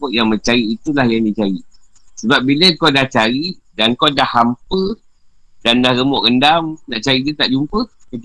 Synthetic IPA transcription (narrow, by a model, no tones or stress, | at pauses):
ɔʔjaŋmə̃ɲt͡ʃaɾiːt̪ulahjaŋdit͡ʃaɾi | səbap̚biləkowdaht͡ʃaɾidankowdahːampə | dandahɾəmɔʔɡəndamnaʔt͡ʃaɾid͡ʒət̪aʔd͡ʒumpəkə